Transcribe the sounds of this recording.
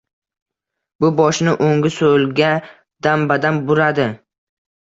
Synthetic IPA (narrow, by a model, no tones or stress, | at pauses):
bʊbɒʃnɪʔoŋɡʲɪsolɡʲa | d̪ambad̪anbʊɾad̪ɪ